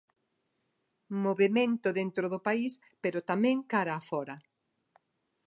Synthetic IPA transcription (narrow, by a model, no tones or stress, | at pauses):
moβemẽnt̪ʊðent̪ɾoðʊpais | peɾʊt̪amɛ̃ŋkaɾaːfɔɾɐ